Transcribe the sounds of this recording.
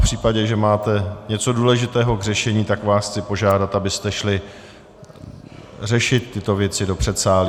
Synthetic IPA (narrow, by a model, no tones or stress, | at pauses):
pr̥iːpaɟɛʒɛmaːt̪ɛɲɛt͡so̞duːlɛʒɪt̪ɛːɦo̞ɡr̝ɛʃɛɲiːt̪akvaːsxt͡sɪpo̞ʒaːdat̪abɪst̪ɛʃlɪ | rɛʃɪt̪ːɪt̪o̞vjɛt͡sɪdo̞pr̥ɛt̪saːli